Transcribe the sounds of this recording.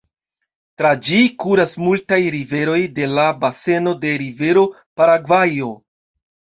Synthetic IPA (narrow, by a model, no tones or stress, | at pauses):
tɾad͡ʒikuɾasmultajɾive̞ɾo̞jde̞labase̞no̞de̞ɾive̞ɾo̞ | paɾaɡvajo̞